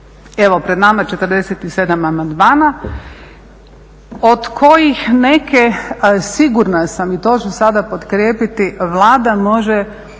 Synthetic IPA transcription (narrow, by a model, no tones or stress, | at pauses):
eʋo̞pɾed̪namat͡ʃe̞t̪ərd̪eset̪ise̞d̪amamand̪maːna | od̪kʰo̞jixnekesiɡuɾnasamit̪o̞ːt͡ʃesad̪apot̪kɾʲjeːpit̪iʋlˠaːd̪amo̞ʒe